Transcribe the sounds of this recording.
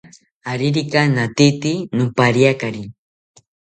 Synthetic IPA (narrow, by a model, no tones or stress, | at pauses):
aɾiɾikanat̪it̪inʊpaɾjakaɾi